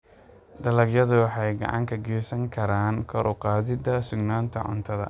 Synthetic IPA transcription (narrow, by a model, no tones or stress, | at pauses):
d̪ɐlɐɡjɐðʊwɑħɑjɡɑ̰ʕɑ̰ŋkʰɐɡɛːsɐŋkʰɐɾaːnkʰɔɾʔʊqɑːðɪd̪ɐsʊɡnaːnt̪ʰɐ̰ʕʊ̰nt̪ʰɐðɐ̰